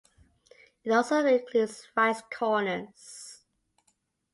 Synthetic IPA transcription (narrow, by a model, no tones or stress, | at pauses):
ɪtɔlˠsoɹɪkʰludsɹaɪskʰɔnə̃ns